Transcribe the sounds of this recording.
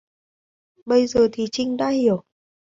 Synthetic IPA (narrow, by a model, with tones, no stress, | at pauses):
ɓə˧jzəː˨˩t̪ʰi˨˩t͡ɕï˧ŋ̟ɗa̰ː˧˥hi˧˩˨əw